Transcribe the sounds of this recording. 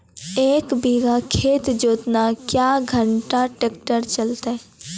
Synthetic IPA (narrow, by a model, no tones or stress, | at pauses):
eːkbiːɡakʰeːt̪d͡ʒoːt̪nakjaːɡʱəɳʈaʈeːkʈəɾt͡ʃəlt̪e